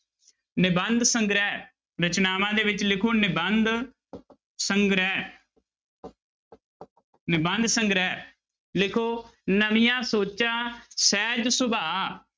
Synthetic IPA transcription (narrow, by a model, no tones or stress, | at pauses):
nɪbənd̪səŋɡɾɛː | ɾət͡ʃnaːmãːd̪eːʋɪt͡ʃlɪkʰoːnɪbənd̪ | səŋɡɾɛː | nɪbənd̪səŋɡɾɛː | lɪkʰoːnəʋɪjãːsoːt͡ʃãːsɛːd͡ʒsʊbaː